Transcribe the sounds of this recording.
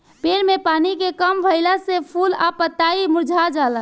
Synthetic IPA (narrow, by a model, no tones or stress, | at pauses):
pelmepanikekəmbʱəɪlasepʰula̰pət̪aimuɾd͡ʒʱad͡ʒalə